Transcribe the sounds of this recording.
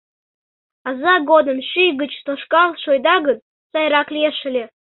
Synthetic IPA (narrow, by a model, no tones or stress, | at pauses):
ɑzɑɡod̪ənʃyjɡət͡ɕt̪oʃkɑlˠʃojd̪ɑɣət̪ | sɑjɾɑklʲeʃə̆lʲe